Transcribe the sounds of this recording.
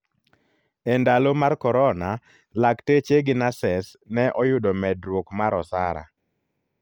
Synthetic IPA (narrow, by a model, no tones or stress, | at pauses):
ɛndalomarkɔɾɔna | laktet͡ʃeɡɪnasɛsnɛʔɔjʊdɔmɛdɾwokmaɾɔsa̰ɾa̰